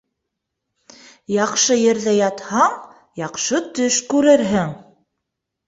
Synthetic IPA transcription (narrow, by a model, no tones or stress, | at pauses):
jɑqʃɤjɘ̆ɾðæjɑt̪hɑɴ | jɑqʃɤt̪ɵʃkʉɾɘɾɦɘŋ